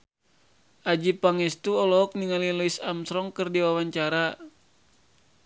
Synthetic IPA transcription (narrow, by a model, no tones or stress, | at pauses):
ʔad͡ʒipaŋɛst̪uɔlɔɔk̚niŋalilɔisamsɾɔŋkɨrdiwawaɲt͡ʃaɾa